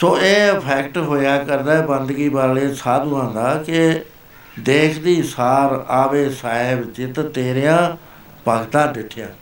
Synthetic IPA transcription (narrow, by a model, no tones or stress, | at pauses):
soːeːəpʰɛːkʈɦoːjaːkəɾd̪aːɛːbənd̪ɡiːbaːleːsaːd̪uãːnd̪aːkɪ | d̪eːkʰd̪iːsaːɾaːʋeːsaːeːbɪt͡ʃet̪et̪eːɾjãː | pəɡt̪ãːɖɪʈʰːɪjãː